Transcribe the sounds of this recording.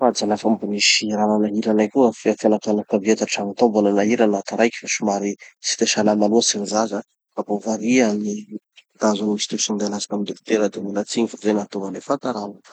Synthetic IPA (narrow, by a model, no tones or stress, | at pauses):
fad͡zanafambuniʃiɾananaɦiɾanajkʲuafiafanat̪anakaviet̪aʈ͡ʂaŋat̪ombonanaɦiɾanat̪aɾajkʲi̥faʃumaɾisi̥t̪eʃanamanuasiɾizaza | kapovaɾiani | t̪azanimisi̥t̪usind̪ajlasḁkamid̪ekt̪eɾəd̪emulat͡siɲifazajnat̪uŋalefat̪aɾanu